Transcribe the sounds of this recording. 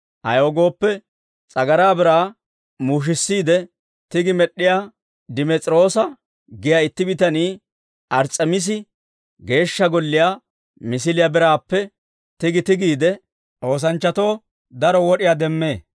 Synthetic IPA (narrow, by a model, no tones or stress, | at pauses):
ʔɐ̰joːɡo̞ːpːɛ | t͡sʼɐɡɐɾaːbɪɾaː | muːʃ̬ɪsːiːd̪ɛ | t̪ɪɡɪmɛɗːɪjaː | d̪ɪmɛt͡sʼɾo̞ːsɐ | ɡɪjaːɪt̪ːɪbɪt̪ɐniː | ʔɐɾt͡sʼːɐmɪs̬ɪ | ɡe̞ːʃːɐɡɔlːɪjaː | mɪs̬ɪlɪjabɪɾaːpːɛ | t̪ɪɡɪt̪ɪɡiːd̪ɛ | ʔo̞ːs̬ɐnt͡ʃːɐt̪o̞ː | d̪ɐɾɔwɔɗɪjaːd̪ɛmːe̞ː